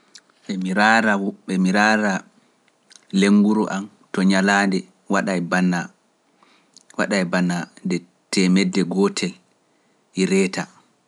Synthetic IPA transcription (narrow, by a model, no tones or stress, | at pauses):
ɓɛmiɾaɾaɓɛmiɾaɾa | leŋːɡuɾuʔam | tɔɲalaːndɛ | waɗajbana | waɗajbanandɛ | tɛmɛdːɛɡɔtʰɛl | iɾɛːta